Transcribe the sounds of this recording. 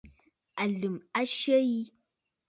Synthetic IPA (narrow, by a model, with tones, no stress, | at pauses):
a˨lu˨ma˦ʃə˦ji˦